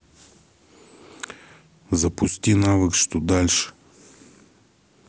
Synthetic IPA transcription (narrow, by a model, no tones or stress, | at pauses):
zɐpʊst̪ʲinavəkʃt̪od̪alʲʃə̥